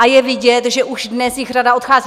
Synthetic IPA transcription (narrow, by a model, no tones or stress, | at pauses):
ajɛvɪɟɛt̪ʒɛʔuʃdnɛsjɪxradao̞t̪xaːzi